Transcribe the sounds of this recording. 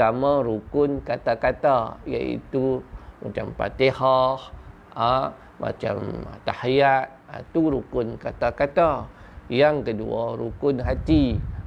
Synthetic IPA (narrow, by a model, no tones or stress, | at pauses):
amãɾukʊnkat̪akat̪aja̰ḭt̪umat͡ʃampa̰t̪ehɔh | a | ma̰t͡ʃa̰mt̪ahjat̪̚a̰t̪uɾukʊnkat̪akat̪a | jaŋkəduaɾukʊnɦat̪i